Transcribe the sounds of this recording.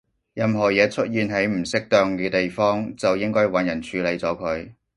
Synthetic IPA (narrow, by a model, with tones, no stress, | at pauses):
jɐ˨mɦɔː˨˩jɛː˨˧t͡ʃʰɵ˥t̚jiː˨nɦe˨˥jm̩˨˩sɪ˥k̚t̪œː˧ŋkɛː˧t̪e˨jfɔː˥ŋt͡sɐ˨wjɪ˥ŋkɔː˥wɐ˨˧njɐ˨˩nt͡ʃʰyː˨˧le˨˧jt͡sɔː˨˥kʰɵ˨˧ɥ